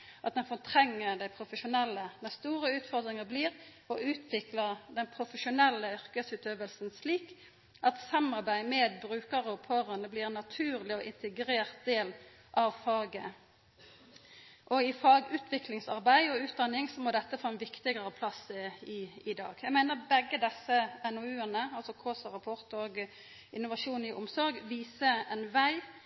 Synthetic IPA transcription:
ʔɑt̪̚d̪ɛnfɔt̪ʰɾɛŋːəɾd̪æɪpʰɾʊfəʃʊnɛlːənɛst̪uːɾəʉːt̪fɔʁd̪ʁɪŋəbliːʁ | ɔʔʉːt̪ʰʋɪkləʁd̪ɛnpʰɾʊfəʃʊnɛlːəʏɾkəsʉːt̪øːʋəlsənsliːk | ʔɑt̪sɑmɑɾbæɪmeːd̪̚bɾʉːkəʁəɔpʰøːʁənəblɪɾɛnːɑt̪ʰʉːɾlɪɔʔɪnt̪əɡɾeːʁt̪̚d̪eːl | ʔɑʋfɑːɡə | ʔɔɪfɑːɡʉːt̪ʰʋɪklɪŋsɑ̰ʁbæɪɔʉːt̪̚d̪ɑnːɪŋsɔmoːd̪ɛt̪ːəfoːɛnʋɪkt̪ɪɡəɾəpʰlɑsəɪɪd̪ɑ̰ːɡjæɡmæɪnəʁbɛɡəd̪ɛsːəɛnɔʉːənəɑlsɔkʰoːsʁɑpʰɔɾt̪oːɡ | ɪnːʊʋɑʂuːnɪʔʊmsɔɾɡʋiːsəɛnʋæɪ

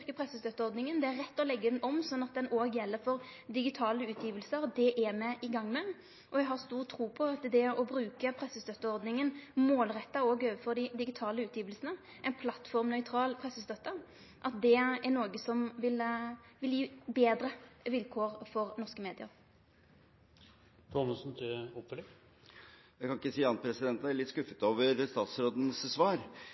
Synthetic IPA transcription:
ʁkəpʰɾɛsəst̪œt̪ːəɔʁd̪nɪŋənd̪ɛæɾːɛt̪ːɔlɛɡːəd̪ɛnɔmsɔnːɑt̪̚d̪ɛnoːɡjɛlːəɾfɔʁd̪ɪɡɪt̪ʰɑːləʉːt̪ʰjiːʋəlsəɾd̪ɛʔæmɛʔɪɡɑŋːmɛ | ʔɔæɡɦɑʁst̪uːʁt̪ʰɾuːpʰɔɑt̪d̪ɛɔbɾʉːkəpʰɾɛsəst̪œt̪ːəɔʁd̪nɪŋənmoːlʁɛt̪ːɑoːɡøːʋəfɔʁd̪ɪd̪ɪɡɪt̪ʰɑːləʉːt̪jiːʋəlsənə | ʔæɪnpʰlɑt̪ːfɔʁmnœʏt̪ʰɾɑːlpʰʁɛsːəst̪œt̪ːə | ʔɑt̪̚d̪ɛæʁnoːɡəsɔmʋɪlʋɪljiːbeːd̪ʁəʋɪlkʰoːʁfɔʁnɔʁskəmeːd̪ɪə̰ʁ | t̪ʰɔməsnt̪ʰɪɔpfœl | jækʰɑnɪkːəsiːɑnpʰɾɛsɪd̪ɛnt̪æɾɭɪt̪ːskʉfət̪oːʋəɾst̪ɑːt̪sɾoːd̪n̩ssʋɑːɾ

